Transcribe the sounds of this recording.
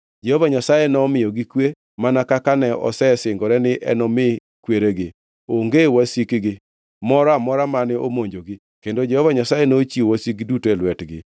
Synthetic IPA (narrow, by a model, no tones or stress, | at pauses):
d͡ʒɛhɔvaɲasajenɔmɪjɔɡɪkwe | manakakanɛɔ̰sɛsɪŋɡɔɾɛnɪʔɛ̰nɔmɪ | kweɾeɡɪ | oŋɡewasikɡɪ | mɔɾamɔɾamanɪʔo̰moɲd͡ʒoɡɪ | kendod͡ʒɛhɔvaɲasajenot͡ʃiowasikdutoɛlwɛtɡɪ̰